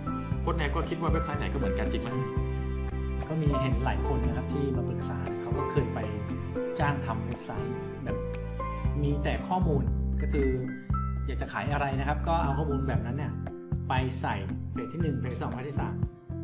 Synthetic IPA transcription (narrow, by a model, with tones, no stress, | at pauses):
kʰo˧˥nʔɛː˧wkɔː˥˩kʰi˦˥t̪̚waː˥˩pʰe˧˥˩pʰaː˧jna˨˦kɔː˥˩mɯ˩˦ənkaː˧nkʰi˦t̪̚ma˦˥nɯ˥˩ | kɔː˥˩miː˧ɦe˨˩nla̰ː˩˦jkʰo˧nːa˦˥kʰa˦˥p̚t̪ʰiː˥˩no˦˧pʰɯ˨˩k̚saː˩˦kʰa˦˥wkɔː˥˩kʰɤː˧jpa˧j | t͡ɕaː˥˩ŋt̪ʰa˧mpɯ˨˩k̚sa̰ː˩˦ | bɛː˨˩p̚ | miː˧t̪ɛː˨˩kʰɔː˥˩muː˧nkɔː˥˩kʰɯː˧ | jaː˨˩k̚t͡ɕa˨˩kʰaː˩˦jʔa˧ɾa˧jna˦˥kʰa˦˥p̚kɔː˥˩ʔa˧wkʰɔː˥˩muː˧nbɛː˨˩p̚na˦˥nːa˥˩ | pa˧jsa˨˩jpʰeː˨˩t̚t̪ʰiː˥˩nɯ˨˩ŋʰ˧˥t̪ʰi˥˩sɔː˩˦ŋpʰa˧˥˩t̪ʰiː˥˩sa̰ː˨˩˦m